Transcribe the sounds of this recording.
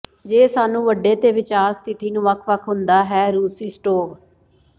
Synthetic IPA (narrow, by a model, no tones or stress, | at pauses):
d͡ʒeːsaːnũːʋəɖːeːt̪eːʋɪt͡ʃaːɾst̪ʰɪt̪iːnũːʋəkʰʋəkʰɦʊnd̪aːɦɛːɾuːsiːsʈoːb